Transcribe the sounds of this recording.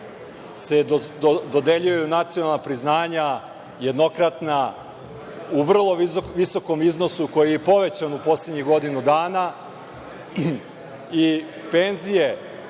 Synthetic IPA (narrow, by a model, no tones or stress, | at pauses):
se̞d̪od̪eʎujeunat̪sijonalˠnapɾiznaːɲa | je̞d̪no̞kɾat̪na | uʋr̩lˠo̞ʋiso̞ko̞miznosuko̞jijepo̞ʋe̞t͡ɕanupo̞sledɲixɡo̞d̪inud̪aːna | i | penzije̞